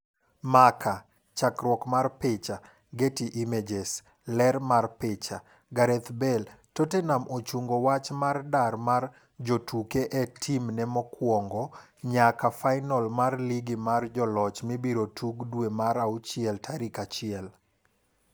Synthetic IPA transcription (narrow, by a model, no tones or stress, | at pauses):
makʰa | t͡ʃakɾwɔkmarpet͡ʃa | ɡetiʔimed͡ʒes | lɛɾmarpet͡ʃa | ɡaɾɛt̪bɛltotenamʔot͡ʃuŋɡowat͡ʃmardarmar | d͡ʒotukeʔɛtʰimnɛmɔkwɔŋɡɔ | ɲakafaɪnɔlmarliɡimard͡ʒɔlɔt͡ʃmibiɾotʰuɡdwemaɾaut͡ʃɪɛltʰaɾikat͡ʃɪɛl